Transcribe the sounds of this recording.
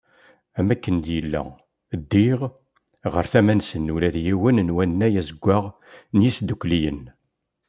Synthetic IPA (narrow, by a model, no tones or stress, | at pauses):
æmækːənd̪jəlːæ̰ | d̪ːiʁ | ʁə̰ɾθæmænsənːulæðjiwənnwænːæjæzəɡʷːaʁ | njisd̪ukʷːlijən